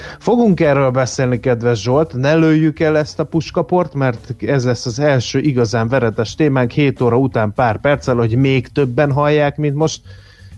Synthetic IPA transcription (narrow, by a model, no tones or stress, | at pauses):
fo̞ɡuŋkɛrːøːlbɛseːlnikɛd̪ʋɛʒːolt̪nɛløːjːykɛlːɛst̪ɒpuʃkɒpo̞rt̪mɛrt̪ɛzlɛsːɒzɛlʃøːʔiɡɒzaːɱvɛɾɛt̪ɛʃt̪eːmaːŋkheːt̪oːɾɒut̪aːmpaːrpɛrt̪sɛlho̞ɟmeːkt̪øbːɛnɦɒjːaːkmint̪mo̞ʃt̪̚